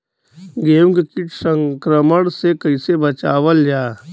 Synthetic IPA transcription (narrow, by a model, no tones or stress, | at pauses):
ɡeːũŋɡkɪʈsə̃ŋkɾəməɽ̃sekəɪsebət͡ʃaːʋəld͡ʒaː